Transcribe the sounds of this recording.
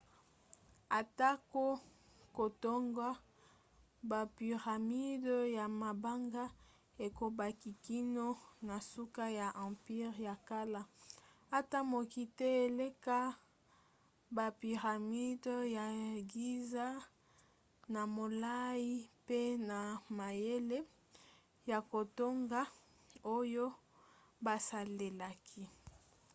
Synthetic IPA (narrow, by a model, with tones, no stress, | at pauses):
a˨ta˦ko˦ | ko˨to˦ŋɡwa˦ | ba˨pi˨ʁa˨mi˦dja˨ma˨ba˦ŋɡa˦ | e˨ko˨ba˨ki˨ki˦no˦na˨su˦ka˦ja˨ʔã˨pi˦ʁja˨ka˦la˦a˦ta˦mo˨ki˦te˦e˨le˦ka˦ | ba˨pi˨ʁa˨mi˦dja˨ɡi˦za˦ | na˨mo˨la˦i˦pe˦na˨ma˨je˦le˦ | ja˨ko˨to˦ŋɡa˦ | o˦jo˦ | ba˨sa˨le˨la˨kʰi˦